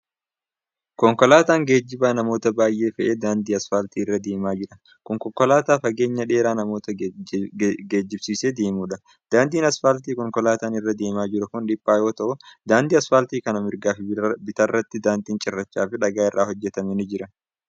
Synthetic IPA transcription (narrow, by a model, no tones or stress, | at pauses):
kɔŋkɔlaːt̪aːŋɡe̞ːd͡ʒːɪbaːnɐmo̞ːt̪ɐbaːjʔe̞ːfɐʔe̞ːd̪aːnd̪iːɐsfaːlt̪iːɪrːɐd̪e̞ːmaːd͡ʒɪɾɐ | kɔŋkɔŋkːɔlaːt̪aːfɐɡe̞ːɲːɐᶑe̞ːɾaːnɐmo̞ːt̪ɐ | ɡeːd͡ʒːɪbsiːseːd̪e̞ːmuːᶑɐ | d̪̥aːnd̪iːnɐsfaːlt̪iːkɔŋkɔlaːt̪aːnɪrːɐd̪e̞ːmaːd͡ʒɪɾʊkʊnᶑɪpʼːaːjo̞ːt̪ɐʔʊd̪aːnd̪iːɐsfaːlt̪iːkɐnɐmɪɾɡaːfɪbɪt̪ɐrːɐt̪ːɪd̪aːnd̪iːnt͡ʃʼɪrːɐt͡ʃːaːfɪᶑɐɡaːɪrːʔaːhɔd͡ʒːɛt̪ɐmɛnɪd͡ʒɪɾɐ